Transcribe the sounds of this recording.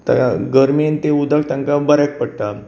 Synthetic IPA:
t̪aɡəɾment̪eud̪ʱak̚t̪ãŋkãbəɾak̚pəɽt̪a

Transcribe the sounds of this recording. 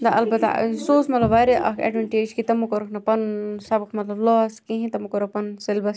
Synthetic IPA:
d̪ɐʔɐlbɐt̪a̰soːsmɐt̪lɐbaɾiʔɐ̰kʰɐ̰ɖʋɐɳʈeːd͡ʒkit̪ɐmukoɾɐkʰnɐpɐnsɐbkʰmɐt̪lɐblɔːskĩɦĩt̪ɐmukoɾokpɐnselbɐs

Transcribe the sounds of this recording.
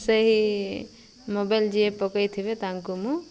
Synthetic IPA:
səɦi | mobajld͡ʒiepɔkajt̪ʰibet̪aŋkumũ

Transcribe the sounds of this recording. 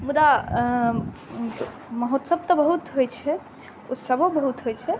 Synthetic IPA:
mud̪a | məɦot̪səb̚t̪ɔbəɦut̪ɦojt͡ʃʰɛ | ṵsəbʱõbəɦut̪ɦojt͡ʃʰɛ

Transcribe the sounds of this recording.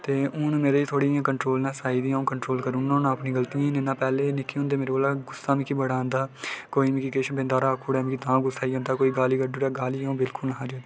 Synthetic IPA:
t̪eːʊːnːmeːɾeːiːt̪ʰoːɽiːãːkəɳʈɾoːlnãːsaːiːd̪ijãːõːkəɳʈɾoːlkəɾʊnãːnãːpniːɡəlt̪ijãːnenãːpɛːleːnɪkʰːiʊ̃nd̪eːmeːɾeoːlaːɡʊsaːmĩkiːbəɽãːnd̪aːkoːiːmɪ̃kikeːʃənbẽːnd̪aːɾaːkʰuːɽɛːmĩkit̪ãːɡʊsaːiːɦãːnd̪aːkoːiːɡaːliːɡəɖuɽɛːɡaːlĩːbɪlkʊlnəɦãːd͡ʒoː

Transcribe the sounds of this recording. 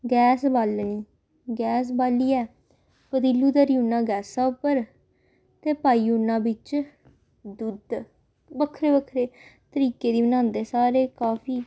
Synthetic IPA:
ɡɛːsbaːlniː | ɡɛːs̬baːliːɛː | pəd̪ilːuːd̪əɾijuːnãːɡɛːsaːʊpəɾ | t̪eːpaːiːuːnãːbɪt͡ʃ | d̪ud̪ | bəkʰːɾeːbəkʰɾeːt̪əɾiːkeːd̪iːbənãːnd̪eːsaːɾeːkaːpʰiː

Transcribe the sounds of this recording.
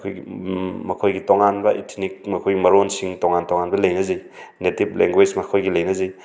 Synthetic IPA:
kʰojɡmɐkʰojɡitoŋanbɐʔitʰnik̚mɐkʰojɡimɐɾonsiŋtoŋantoŋanbɐlɐjnɐzɐj | netip̚leŋɡwejsmɐkʰojɡilɐjnɐzej

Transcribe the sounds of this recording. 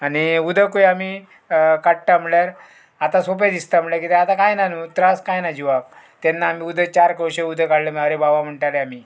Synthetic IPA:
aniud̪ʱəkojami | kaʈʈam̤iɭjaɾ | at̪ãsop̬ed̪ist̪am̤iɭjaɾkit̪eat̪akajnanut̪ɾaskajnad͡ʑiʋak̚ | t̪ɛnːaːmiːud̪ʱət͡ɕaɾkəwɕeud̪ʱəkaɽlem̤əɾebaʋam̤əɳʈaleami

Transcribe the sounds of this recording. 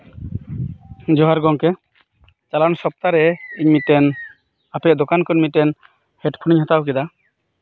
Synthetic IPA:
d͡ʒɔɦaɾɡɔŋkɛ | t͡ʃalansɔp̚t̪aɾɛiɲmit̪ɛn | apɛd̪ɔkankɔnmit̪ːɛn | hɛʈpʰuniɲhat̪ak̬ɛd̪a

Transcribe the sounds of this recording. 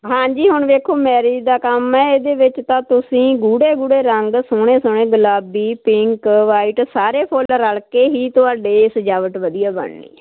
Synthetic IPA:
ɦãːd͡ʒiːɦʊɳʋeːkʰoːmɛːɾiːd̪aːkəmɛːeːd̪eːʋɪt͡ʃt̪ãːt̪ʊsĩːɡuːɽeːɡuːɽeːɾəŋɡsʊɳ̃eːsʊɳ̃ẽːɡəlaːbiːpɪŋkʋaːiːʈsaːɾeːpʰolɾəɭkeːɦiːt̪ʊaːɖeːsəd͡ʒaːʋəʈʋəd̪ijaːbə̰ɳnḭː

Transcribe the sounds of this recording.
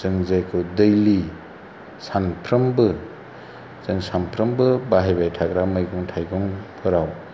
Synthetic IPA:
zɯŋzajkʰɯdɯjli | sanpʰɾɯmbɯ | zɯŋsampʰɾɯmbɯbaɦajbajtʰaɡɾamɯjɡɔŋtʰajɡɔŋpʰɯɾaw

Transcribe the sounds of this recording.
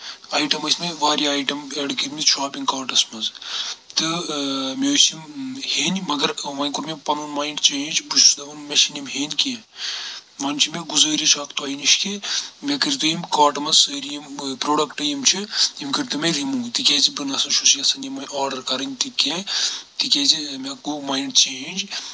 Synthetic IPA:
aːjʈɐmɐsʲmeʋaːɾiaːjʈɐmeɖkiɾʲmiʃaːpiŋɡkaːɾʈɐsmɐzt̪ɨmʲesimheːnʲmɐɡɐɾʋɐnʲkuɾmepɐnunmaːjɳɖt͡ʃeːd͡ʒbut͡ʃd̪ɐɐnmʲeʃinʲimɦeːnʲke | ʋɐnt͡ʃʰimʲeɡuzɐːɾit͡ʃʰaːkt̪ɐːiniʃkimʲekɨɾt̪ujimkaːɾʈmɐzsəːɾijimpɾoːɖɐkʈɐjimt͡ʃʰiimkɨɾt̪umeɾimũːt̪ikʲɛːzibɨnɐsɐnʃʰusijɐsɐnimɐnaːɾɖɐɾkɐɾɐnʲt̪ikʲet̪ikʲɛːzimʲɐkomaːjɳɖt͡ʃeːnd͡ʒ

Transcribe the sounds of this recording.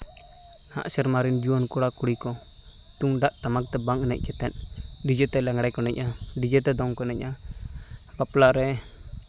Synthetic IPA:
ha̰ʔsɛɾmaɾind͡ʒiwɔnkuɽakuɽikɔ | t̪uŋɖaʔt̪amak̚t̪ɛbaŋnɛ̰c̚ˀt͡ʃɛt̪ɛn | did͡ʒɛt̪ɛlɛŋɽajkɔnɛcadid͡ʒɛt̪ɛd̪ɔŋkɔnɛc̚ʔa | paplaɾɛ

